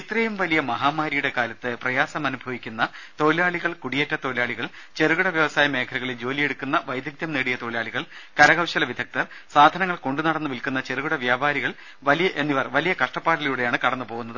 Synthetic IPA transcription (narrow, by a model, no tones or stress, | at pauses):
it̪ːrɐjumʋɐlijɐmɐɦaːmaːɾijuɽe̞kaːlɐt̪ːɨprɐjaːsɐmɐnubʱɐʋikʲːunːɐt̪o̞ːilaːɭiɣɐɭkuɽijetːɐt̪o̞ːilaːɭiɣɐɭ | t͡ɕe̞ɾuɣuɽɐʋjɐʋɐsaːjɐme̞ːkʰɐluɣɐɭed͡ʑo̞ːlije̞ɽukːunːɐʋɐjd̪ʱjɐk̚t̪jɐmneːɽijɐt̪o̞ːilaːɭiɣɐɭkɐɾɐɣɐwɕɐlɐʋid̪ʱɐk̚t̪ɐr | saːd̪ʱɐnɐŋːɐɭko̞ɳɖunɐɽɐnːuʋilkunːɐt͡ɕe̞ɾuɣuɽɐʋjaːbaːɾiɣɐɭ | ʋɐlijɐʔenːiʋɐrʋɐlijɐkɐʂʈɐpːaːʈɐljuːɽe̞jaːɳɨkɐɽɐnːɨpo̞ːɣunːɐðɨ